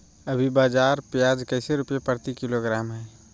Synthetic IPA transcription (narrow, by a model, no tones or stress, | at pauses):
ɐbʱibaːd͡ʒaːɾpjaːd͡ʒkɐɪseɾʊpjepəɾt̪ikɪloɡɾaːmɦɛː